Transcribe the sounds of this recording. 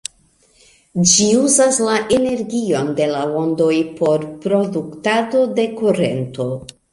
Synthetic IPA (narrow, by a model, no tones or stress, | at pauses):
d͡ʒiuzaslaʔe̞ne̞ɾɡio̞nde̞laondo̞jpʰo̞ɾpɾo̞duktado̞de̞kuɾe̞̰nto̞